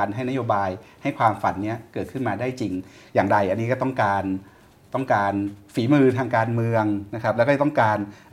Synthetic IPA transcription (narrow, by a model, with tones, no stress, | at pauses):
nɦa˥˩jna˦˥joː˧baː˧jha˥˩jkʰwaː˧mfa˨˩˦nːi˦˥ɐkɤː˨˩t̪̚kʰɯ˥˩nmaː˧daː˥˩jt͡ɕi˧ŋ | jaː˨˩ŋda˧jʔa˧nːiː˦˥kɔː˥˩t̪ɔ˥˩ŋkaː˧n | t̪ɔ˥˩ŋkaː˧nfiː˩˦mɯː˧t̪ʰaː˧ŋkaː˧nmɯ˧əŋna˦˥kʰɾa˦˥p̚lːkːt̪ɔ˥˩ŋkaː˧n